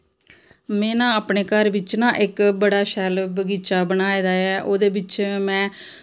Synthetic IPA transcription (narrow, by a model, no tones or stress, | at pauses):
mɛ̃ːnãːəːpneːkəɾʋɪt͡ʃnãːʔɪkbəɽaːʃɛːlbəɡiːt͡ʃaːbənaːiːd̪aːɛːʔoːd̪eːbɪt͡ʃmɛ̃ː